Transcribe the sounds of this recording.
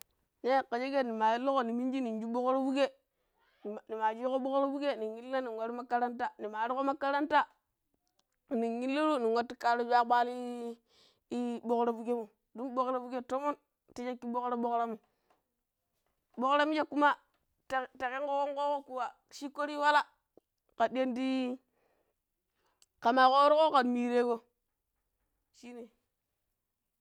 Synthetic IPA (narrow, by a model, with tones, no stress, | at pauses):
ne˦˨ka˨d͡ʒe˦ɡe˦˨ni˨ma˨ji˦lo˦ɣo˨ni˨mi˦n˦d͡ʒi˦ni˨n˦d͡ʒu˦bo˦kɾo˦bu˦ɡe˦˨ | ni˨ma˨d͡ʒi˦ko˦bo˦kɾo˦bu˦ɡe˦˨ni˨ŋːi˦lːi˦na˦ni˨wa˦ɾi˦ma˦ka˦ɾa˦nta˦ni˨ma˨˦ɾi˦ko˦ma˦ka˦ɾa˦nta˦˨ | niː˨i˦lːi˦ɾu˦ni˨ŋwa˦tːi˦ka˦ɾo˦d͡ʒʷa˦ɓa˦li˦ | bo˦kɾo˦bu˦ɡe˦mo˨ | du˦nbo˦kɾa˦bu˦ɡe˦to˦mo˦n | ti˦d͡ʒe˦kːi˦bo˦kɾa˦ɓo˦kɾa˦mo˨ | bo˦kɾa˦mi˦d͡ʒe˦kːu˦ma˦ | tta˨ke˦ŋko˦ko˦ŋko˦ko˦ku˨wa˨ | ʃi˦ko˦ɾi˦wa˦la˦ | ka˨di˦e˦ndi˦ | ka˨ma˨ko˦ɾo˦ko˦ka˨dmi˨ɾe˦ɡo˦ | ʃi˦ni˨